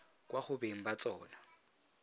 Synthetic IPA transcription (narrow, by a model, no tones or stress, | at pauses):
kʼwaχʊbeŋ̩bat͡sʼɔːna